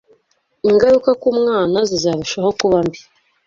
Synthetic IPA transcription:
iŋɡaɾukakumŋaːnazizaːβiʃaho̞kuβambi

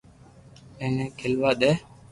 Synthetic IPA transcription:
eːnẽːkʰɪlʋaːɗ̪eː

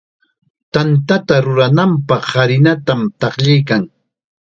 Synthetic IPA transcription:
t̪ant̪at̪aɾʊɾanampɑχːaɾɪnat̪amt̪ɑχʎajkaŋ

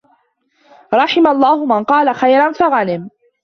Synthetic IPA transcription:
ɾˤɑħɪmalˤːɑːhʊmanqɑːlaxajɾɑnfaɣanɪm

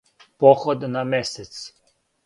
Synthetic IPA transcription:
pɔxɔd̪namɛsɛt̪s

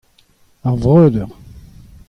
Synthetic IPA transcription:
aʁvʁøːd̪əʁ

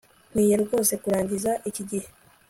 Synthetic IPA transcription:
m̥wiːjeɾɡo̞ːse̞kuɾaːɲɟizaʔiciɟihe̞

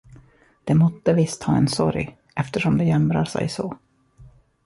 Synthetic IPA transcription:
d̪̥ɛmɔt̪ːəvɪst̪hɑːɛnsɔ̰ɾj | ʔɛft̪əʂɔmd̪ɛjɛmɾa̰ʂɛ̰jsoː

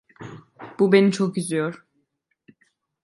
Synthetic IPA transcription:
b̥ubenit͡ʃʰokyzyjoɾ̥

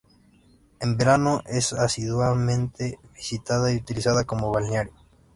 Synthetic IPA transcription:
embeɾanoʔesasiðwaðmẽnt̪eβisit̪aðaiut̪ilisaðakomoβalneaɾjo

